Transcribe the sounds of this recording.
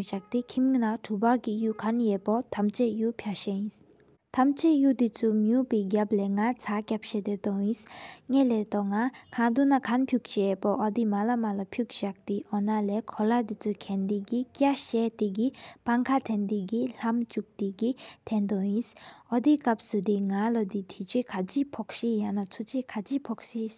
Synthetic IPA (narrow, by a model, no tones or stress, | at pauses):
ɕak̚t̪ikʰimnaʈ͡ʂʰubaɡijukʰanjɛpɔt̪ʰamt͡ʃɛʔjupʰjaɕejĩs | t̪ʰamt͡ʃeʔjud̪it͡sʰumjupiɡaplɛŋat͡sʰakʲap̚ʃɛd̪et̪ɔĩsŋɛlɛt̪ɔŋakʰad̪unakʰanpʰjuk̚t͡ɕɛːpɔʔɔd̪imalamalapʰjuk̚ɕak̚t̪iʔɔnalekʰɔlad̪it͡sʰukʰɛnd̪iɡikʲaʔɕɛt̪eɡipaŋkʰat̪ʰɛnd̪iɡil̥amt͡ɕuk̚t̪iɡit̪ʰɛnd̪ɔjisʔɔd̪ikap̚sud̪iŋalɔd̪it̪ʰit͡ɕekʰat͡ɕipʰɔk̚ɕijanat͡sʰut͡ɕʰikʰat͡ɕipʰɔk̚ɕis